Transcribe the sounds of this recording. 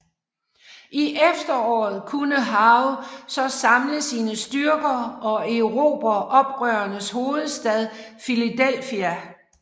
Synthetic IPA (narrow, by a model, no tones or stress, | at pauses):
ʔiʔefd̥ɐɒ̰ːð̩ˠkʰunəɦɑ̈ʊsɒ̽sɑ̈mləsiːnəsd̥yɐɡ̥ɐɒ̽eʊʁo̝̰ːb̥ɐʔɒ̽b̥ʁœːɐnəsho̝ːð̞̩ˠsd̥ɛð̞ˠfilid̥el̰fiæ